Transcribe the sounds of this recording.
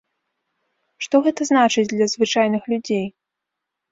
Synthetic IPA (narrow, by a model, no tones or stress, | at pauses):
ʂt̪ɔɣɛt̪ɐznat͡ʂɨd͡zʲd̪lʲɐzvɨt͡ʂajnɨxlʲud͡zʲej